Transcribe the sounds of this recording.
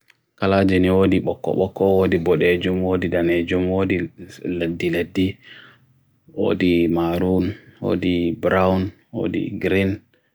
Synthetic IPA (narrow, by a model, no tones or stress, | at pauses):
kalad͡ʒɛniwoːdiɓɔkːɔ̰ɓɔkːɔwodibɔɗed͡ʒumwoːdidaned͡ʒumwodiladːiledːi | wo̰ːdimaɾunwo̰dibɾawn | wo̰dḭɡɾin